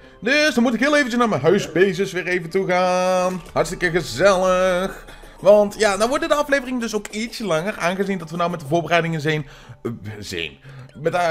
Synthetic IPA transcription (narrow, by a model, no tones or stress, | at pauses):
dɵsdɑnmutɪkɦɪːlˠejvəncəsnaːɹmɛnɦœɥzbejzɪsʋɪːɹejvəntuχaːnɦɑɹtstɪkəɣəzɛləx | ʋɑntjadaʋɔɹdədəɑflejvərɪŋəndɵs̬owkitsəlɑŋəraːnɣəzindɑtʋənɔwmɛtəvʊːɹbərɛjdɪŋənzɛjn | zɛ̰jnmɛta